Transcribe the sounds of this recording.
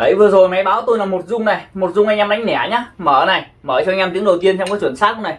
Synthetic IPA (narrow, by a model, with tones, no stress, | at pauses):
ʔə˨˧˦jvɨ˨əzo˨˩jma˨˦jɓaː˨˦wt̪o˧jlaː˨˩mo˨˩t̚zʊ˧ŋ͡mna˨˩jmo˨˩t̚zʊ˧ŋ͡mʔŋɲa˧mɗa˨˦jŋ̟nɛ̰˧˩ɲaː˨˦məː˧˩na˨˩j | məː˧˩t͡ɕɲːa˧mt̪ɨ˨˦əŋɗə˨˩wt̪i˧ənt͡ɕɔ˧ŋ͡mkɔː˨˦jt͡ɕwə˧˩nsaː˦˥k̚kʊ˧˦˥na˨˩j